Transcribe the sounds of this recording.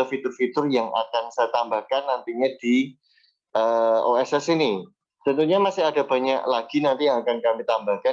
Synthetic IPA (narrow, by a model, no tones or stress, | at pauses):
əfit̪ʊrfit̪ʊrjaŋa̰kansajat̪ambahkanːant̪iɲad̥i | ʔəoɛsɛsini | t̪ənt̪uɲamasɪɦadabaɲaʔlaɡ̥inant̪ijaŋakankamit̪ambahka